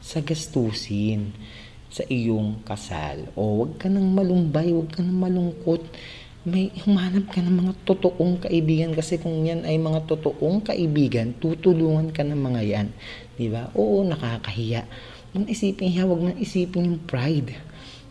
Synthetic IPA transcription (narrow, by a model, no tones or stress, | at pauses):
sɐɡɐst̪uːsɪn | sɐʔɪjoŋkɐsa̰lʔo̞wɐɡ̚kɐnɐŋmɐlʊmbajwɐɡ̚kɐnɐŋmɐlʊŋko̞t̪̚ | mɐjhʊmaːnɐb̚kɐnɐŋmɐŋat̪ot̪oʔoŋkɐʔɪbiːɡɐnkɐsɛkʊŋjanɐjmɐŋat̪ot̪oʔoŋkɐʔɪbiːɡɐnt̪ut̪ʊluːŋɐnkɐnɐŋmɐŋajan | d̪ɪbaʔoʔnɐkaːkɐhɪjaʔ | mɐnʔɪsiːpɪnʃawɐɡ̚manʔɪsiːpɪnjʊŋpɹajd̪